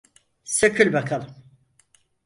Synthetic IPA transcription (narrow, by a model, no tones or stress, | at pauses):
søcʰylʲbakʰalˠɯm